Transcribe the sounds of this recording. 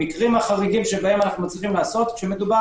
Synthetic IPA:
ikʁimaχaʁiɡimʃebahe̞manaχnut͡sʁiχimlaːso̞t̪ʃemed̪uba

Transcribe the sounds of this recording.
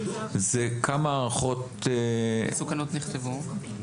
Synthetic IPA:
zekʰamaːʁaχo̞t̪ | esukanot̪niχt̪evu

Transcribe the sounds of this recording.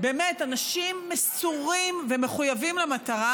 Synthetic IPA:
be̞ːmetanaʃimːesuʁimveme̞χujavimlemat̪aʁa

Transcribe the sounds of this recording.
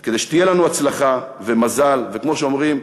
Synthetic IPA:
ked̪e̞jʃe̥t̪ijelanuat͡slaχa | ve̞mazalve̞kmo̞ʃeo̞mʁim

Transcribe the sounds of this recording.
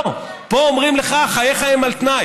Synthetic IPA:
po̞omʁimleχaχajeχaemalt̪naj

